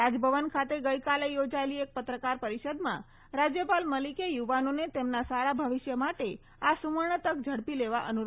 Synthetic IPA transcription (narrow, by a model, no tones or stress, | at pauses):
ɾad͡ʒbʱəʋənkʰat̪eɡəjkalejod͡ʒaeliek̚pət̪ɾəkaɾpəɾiʃəd̪mã̰ | ɾad͡ʒjəpalməlikejuʋanonet̪emnasaɽabʱəʋɪʃjəmaʈe | asuməɳ̃ət̪ək̚d͡ʒʱəɽpileʋaʔənuɾ